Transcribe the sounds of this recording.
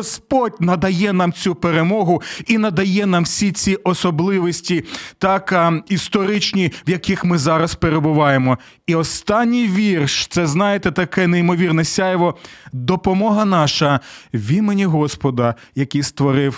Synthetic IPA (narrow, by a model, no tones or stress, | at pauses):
ɔspɔdʲnɐd̪ɐjɛnɑmt͡sʲupeɾemɔɦʊinɐd̪ɐjɛnɑmwsʲit͡sʲiʔɔsɔblˠɪʋɔsʲtʲit̪ɑkist̪ɔɾɪt͡ʃnʲiwjɐkixmɪzɑɾɐspeɾebʊʋɑjemɔ | iɔst̪ɑnʲːijʋʲirʃt̪sɛznɑjet̪ɛt̪ɐkɛnejmɔʋʲirnɛsʲɑjʋɔd̪ɔpɔmɔɦɐnɑʃɐʋʲimenʲiɦɔspɔd̪ɐ | jɐkʲijst̪ʋɔɾɪw